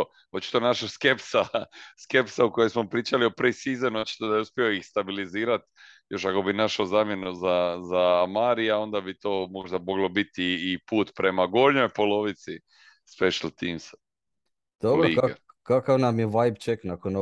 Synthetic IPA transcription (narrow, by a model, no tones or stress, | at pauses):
ot̪t͡ʃi̥t̪onaʃaske̞psaske̞psaukojojsmo̞pɾiːt͡ʃalio̞pɾisizenuot͡ʃi̥t̪od̪ajeuspʲjioixst̪abiliziːɾat̪jo̞ʃako̞binaʃozaːmje̞nuzazamaːɾijao̞nd̪abit̪o̞ːmo̞ʒd̪amo̞ɡlo̞bit̪iːpuːt̪pɾe̞maɡolɲojpo̞lo̞ʋit̪si | spe̞ʃalˠt̪iːms | d̪̥obɾoiɡaɡa | kakaʋnamjeʋajbt͡ʃeknakono